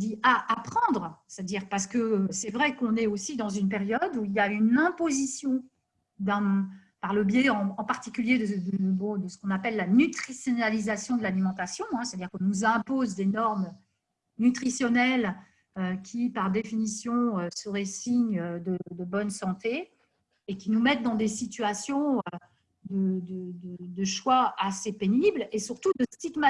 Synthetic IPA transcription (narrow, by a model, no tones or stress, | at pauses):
d̪iʔaʔːpχɑ̃d̪ʁsɛt̪ad̪iʁpaʁs̬ə̥kəsɛvʁɛkɔ̃nɛosid̪ɑ̃zynpeʁjɔd̪uiljaynɛ̃pozisjɔ̃ | d̪ɛ̃paʁləbjɛɑ̃ɑ̃paʁt̪ikʲyljed̪əd̪əbɔ̃d̪əsə̥kɔ̃napɛlːanyt̪χisjɔnalizasjɔ̃d̪əlalimɑ̃t̪asjɔ̃ɛ̃sɛt̪ad̪iʁkɔ̃nuzɛ̃pozd̪enɔʁm | nyt̪χisjɔnɛl | økʲʰipaʁd̪efinisjɔ̃øsəʁɛsiɲød̪əd̪əbɔnsɑ̃t̪eː | kʲinumɛt̪̚d̪ɑ̃d̪esit̪yɥasjɔ̃ø | d̪əd̪əd̪əd̪əʃwaasepeniblesyʁt̪ud̪əst̪iɡma